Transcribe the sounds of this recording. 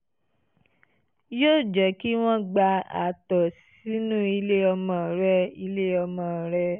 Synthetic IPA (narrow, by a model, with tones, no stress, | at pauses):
jo˦˨d͡ʒɛ˨˦ki˦w̃ɔ̃˦ɡ͡ba˧a̰˨tɔ˨s | i˨˦nũ˦i˧le˦ɔ˧mɔ̃˨ɾɛ˧˦i˧le˦ɔ˧mɔ̃˨ɾɛ˧